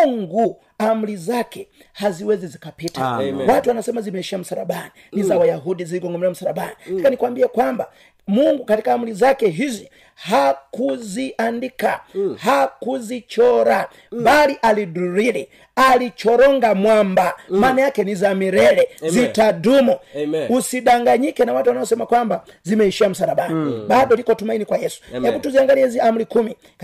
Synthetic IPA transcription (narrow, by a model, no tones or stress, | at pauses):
ŋɡu | amulizakɛ | haziwɛzɛzikapiːtawatuanasɛmazimɛʃiam̩saɾa̰ɓaninizawajaɦudiziliɡɔŋɡɔmɛɾam̩saɾaɓanisakanikwambiakwamba | muŋɡukatikaːmulizakɛɦizɔ | hakuziʔandikahakuzit͡ʃɔɾa | baliʔaliduɾilɛ | alit͡ʃɔɾɔŋɡamwambamanajakɛnizamiɾɛlɛzitadumɔusiɗaŋɡaɲikɛnawatuwanaɔsɛmakwamba | zimɛiʃiam̩saɾaɓaniɓaɗɔlikɔtumainikwajɛsu̥nɛutuziaŋɡaliɛziamulikumi